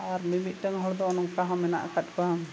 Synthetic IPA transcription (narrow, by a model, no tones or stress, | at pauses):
aɾmimit̪̚ˀʈəŋɦɔɽd̪ɔːnɔŋkaɦamɛna̰ʔa̰kat̪̚ˀkaɦam